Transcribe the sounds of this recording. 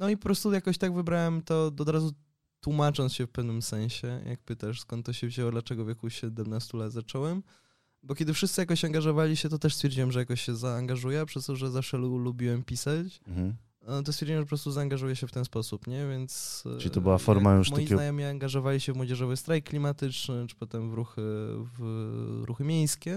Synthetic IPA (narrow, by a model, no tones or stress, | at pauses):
nɔipɔpɾɔst̪ujakɔɕt̪aɡvɘbɾawɛmt̪ɔɔd̪ɾazu | t̪wumat͡ʂɔnsɕɛfpɛvnɘmsɛ̃ɲ̃ɕɛjʔa̰k̚pɘt̪aʂskɔnt̪ːɔɕɛvʑɛwɔd̪lat͡ʂɛɡɔvʲjekuɕɛd̪ɛmnast̪ulad̪zat͡ʂɔwɛm | bɔkʲɛd̪ɘfʂɨst̪sɘjakɔɕaŋɡaʐɔvalʲiɕɛt̪ɔt̪ɛʂst̪fʲjɛɾd͡ʑiwɛmʐɛjakɔɕɕɛzaːŋɡaʐujɛpʂɛst̪ɔʐɛzafʂɛlulubʲiwɛmpʲisat͡ɕ̩ | t̪̬ɔst̪fʲjɛɾd͡ʑiwɛ̃mʐɛpɔpɾɔst̪uzaːŋɡaʐujɛɕɛft̪ɛnspɔsupɲɛvʲjɛnt̪st͡ʃɘlit̪ɔbɨwafɔɾmajuʂmɔajizɡnajɔmʲiaŋɡaʐɔvalʲiɕɛvmwɔd͡ʑɛʐɔvɨst̪ɾajkːlʲimat̪ɘt͡ʂnɘʈ͡ʂɨ̥pɔt̪ɛmvɾuxɘvɾuxɘmʲjejskʲɛ